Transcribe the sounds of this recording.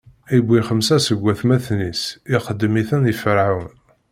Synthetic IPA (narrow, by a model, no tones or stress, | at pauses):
ibʷːiχəmsæsəɡʷːæθmæθnisiχəd̪ːmiθənifəɾʕawn